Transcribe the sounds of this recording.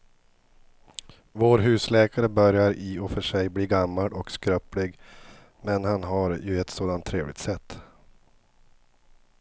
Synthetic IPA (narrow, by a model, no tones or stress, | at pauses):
voːɾɦʉ̟ːslɛːkʰaɾəbœɾjaɾɪɔfœʂɛjbliːɡamːaɽɔkskɾœplɪɡ | mɛnhanɦaɾjɵɛt̪soːd̪ant̪ʰːɾeːvlɪ̰ɡt̪sɛt̪ː